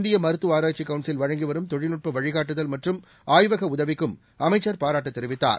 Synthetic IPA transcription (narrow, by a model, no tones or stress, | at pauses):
nd̪ɪjɐmɐɾɯt̪ːɯaːɾaːt͡ʃikːɐʋɳʈsɪlʋɐɻɐŋɡiʋɐɾɯmt̪ɔɻɪnɯʈ̚pɐʋɐɻɪɣaːʈːɯðɐlmɐʈrɯm | aːjʋɐɣɐʊðɐʋɪkːɯm | ɐmɐɪt͡ʃːɐɾpaːɾaːʈːɯt̪ːɛɾɪʋɪt̪ːa̰ːɾ